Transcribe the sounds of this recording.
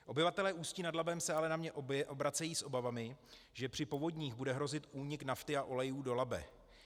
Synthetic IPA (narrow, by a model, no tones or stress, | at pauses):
ʔo̞bɪvat̪ɛlɛːʔuːscɪnadlabɛmsɛalɛnamɲɛʔobʔobɾat͡sɛjiːsʔo̞bavamɪ | ʒɛpr̝̥ɪpo̞vo̞dɲiːɣbudɛɦɾo̞zɪt̪ʔuːɲɪknaft̪ɪaʔo̞lɛjuːdo̞labɛ̰